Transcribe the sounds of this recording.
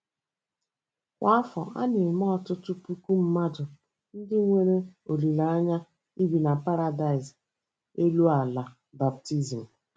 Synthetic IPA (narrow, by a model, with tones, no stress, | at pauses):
kʷa˦fɔ̰˨ʔa̰˦nɪ˨mɔ˦˨tʊ˦tʊ˦pu˦ku˦m̩˦ma˦dʊ˨ | n̩˦dɪ˦ŋʷe˦ɾe˦o˨ɾi˨la˨a˦ɲa˦ | i˦bi˨na˨pa˦ɾa˨da˨ɪ˨z | e˦lu˦a˨la˨ | ba˨p̚ti˦zi˨m̩˨